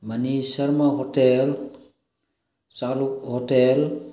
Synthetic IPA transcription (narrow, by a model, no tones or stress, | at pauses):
manisəɾmaɦotel | saluhotel